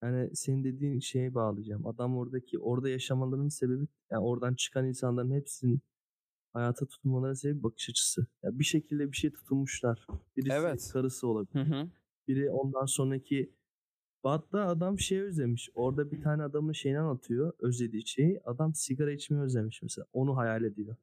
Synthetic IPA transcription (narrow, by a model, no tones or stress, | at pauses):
jaːnise̞nind̪e̞d̪iːnʃe̞jbaːlˠɯd͡ʒaːma̰d̪amo̞ɾd̪acʰiʔo̞ɾd̪ajaʃamalˠaɾɯnse̞be̞bijao̞ɾd̪ant͡ʃʰɯ̥kʰaninsanlˠaɾɯnhepsinn | hajaːt̪ʰat̪ʰu̥t̪ʰulˠmalˠaɾɯnsebip̚bakʰɯ̥ʃat͡ʃʰɯ̥sɯja̰biʃe̞cʰilʲd̪ɛbiʃe̞jt̪ʰu̥t̪ʰulˠmuʃlˠaɾ̥b̥iɾisikʰaɾɯsɯo̞lˠabilʲ | biɾio̞nd̪anso̞nɾacʰi | b̥at̪laːd̪amʃe̞jø̞zlʲemiʃo̞ɾd̪abit̪ʰaːnɛad̪amɯnʃe̞jinanat̪ʰɯjo̞øzlʲe̞d̪iːt͡ʃʰejiad̪amsiɡaɾait͡ʃmɛjøzʲemiʃmɛ̰selʲa̰ːo̞nuɦajaːlʲed̪ijo̞